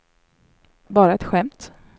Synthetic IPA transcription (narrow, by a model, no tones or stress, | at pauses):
bɑːɾaɛt̪ɧɛmt̪